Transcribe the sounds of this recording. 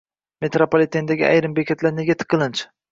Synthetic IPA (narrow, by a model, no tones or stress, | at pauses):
me̞t̪ɾopolʲˠet̪ʰend̪aɡʲia̰jɾɪmbekʲʰat̪ʰlaɾne̞ɡʲat̪ʰɨ̥qʰːɨlˠɪnt͡ʃʰ